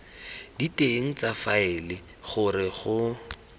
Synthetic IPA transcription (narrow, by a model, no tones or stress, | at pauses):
diteŋ̩t͡safaɪlɪ | χʊrɪχʊ